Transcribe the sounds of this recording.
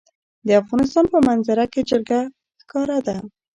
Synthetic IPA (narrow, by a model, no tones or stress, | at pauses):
d̪əafɣɑnɪs̬t̪ɑnpəmanzaɾaked͡ʒɪɾɡa | xkɑɾad̪a